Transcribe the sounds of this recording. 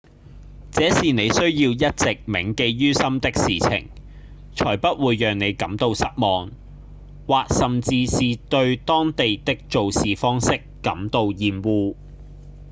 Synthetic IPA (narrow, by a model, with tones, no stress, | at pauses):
t͡sɛː˨˥siː˨ne˨˧jsɵ˥ɥjiː˧wjɐ˥t̚t͡sɪ˨k̚mɪ˨˩ŋke˧jɥyː˥sɐ˥mt̪ɪ˥k̚siː˨t͡sʰɪ̰˨˩ŋ | t͡ʃʰɔː˨˩jpɐ˥t̚wuː˨˧jːœː˨˩ŋne˨˧jkɐ˨˥mt̪o˧wsɐ˥t̚mɔː˨ŋ | waː˨k̚sɐ˨mt͡siː˧siː˨t̪ɵ˧ɥt̪ɔː˥ŋt̪e˨jt̪ɪ˥k̚t͡ʃo˨wsiː˨fɔː˥ŋsɪ˥kːɐ˨˥mt̪o˧wjiː˨˧mwuː˧